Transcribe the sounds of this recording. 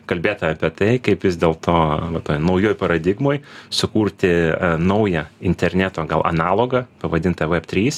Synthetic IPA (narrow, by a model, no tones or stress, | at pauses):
kɐlʲbʲeːt̪ɐɐːpʲiɛt̪ɐɪkɐɪpʋʲɪzd̪ʲeːlˠt̪ʰoːʋɐt̪oːjnɐʊjoːjpɐɾɐd̪ʲɪɡmoːjsʊkuːɾʲt̪ʲɪnɐʊjɛɪnʲt̪ʲɛɾʲnʲæːt̪oːɡɐlˠɐ̰nɑːlˠoːɡɐpɐʋɐd̪ʲɪnt̪ɐʋɛpt̪ʲɾʲiːs